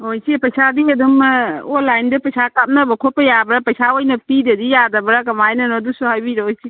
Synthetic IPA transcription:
ojsipɐjsadiɐd̪umɔlajndɯpɐjsʰakap̚nɐbɐkʰɔpejabɾapɐjsaojnɐpidɐdijadɐbɾakɐmajnɐnɔdusuɦajbiɾɔojsi

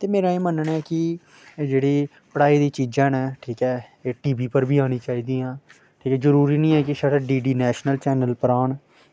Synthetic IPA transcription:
t̪eːmeːɾaːiːmənənɛːkɪ | d͡ʒeːɽiː | pəɽaːiːd̪iːt͡ʃiːd͡ʒãːnɛːʈʰiːkɛːeːʈiːbiːpəɾbʱiːaːñiːt͡ʃaːiːd̪iːãː | ʈʰiːkɛːzəɾuːɾiːnĩːɛːkɪʃəʈːɖiːɖiːnɛːʃnəlt͡ʃɛːnəlpəɾaːn

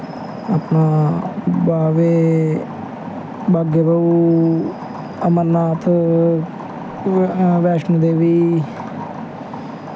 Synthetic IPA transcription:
apnaːbaːʋeː | baːɡeːbəuː | əməɾnaːt̪ʰ | ʋɛːʃnd̪eːʋiː

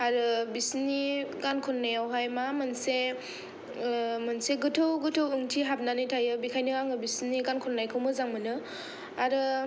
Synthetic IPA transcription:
aɾɯbisniɡankʰɔnːajawɦajmamanse | mɯnseɡɯtʰɯwɡɯtʰɯwɯŋtʰiɦap̚nanijtʰajɯbikʰajnɯɾaŋɯbisniɡankʰɔnːajkʰɯwmɯzaŋmɯnɯ | aɾɯ

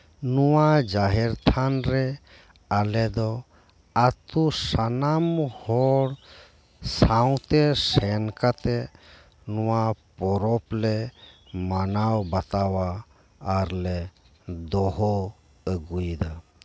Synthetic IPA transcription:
nuwad͡ʒaɦɛɾt̪ʰanɾɛ | alɛd̪ɔ | at̪usanamhɔɽ | saw̃t̪ɛsɛnkat̪ɛ | nɔwapɔɾɔplɛmanawbat̪awaː | ɾlɛ | d̪ɔɦɔ | əɡujd̪a

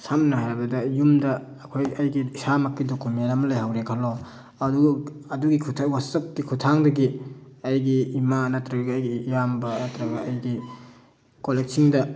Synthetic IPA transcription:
samnɐɦajɾbɐdɐjumdɐː | kʰojɐjɡisamakːidokumenɐmɐlajɦawɾekʰalo | ɐduɡɐɐduɡikʰutʰwasɐk̚ːikʰutʰaŋdɐɡiɐjɡiːmanɐtɾɐɡɡːjɡijambɐnatɾɐɡɐɐjɡi | kolek̚siŋdɐ

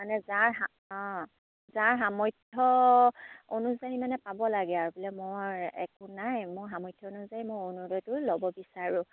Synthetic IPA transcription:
manɛzaɹɦã | zaɹɦamɔjtʰːɔ | onuzaɹimanɛpabɔlaɡɛaɹubilɛmoɹɛ̰kʊnajmojɦamɔjtʰjɔonuzaɹimojonudɔtʊlɔbɔbisaɹʊ̃

